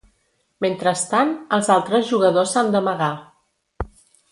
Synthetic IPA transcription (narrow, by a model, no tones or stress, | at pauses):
ment̪ɾəst̪anəlˠzalˠt̪ɾəzʒuɣəðosand̪əməɣa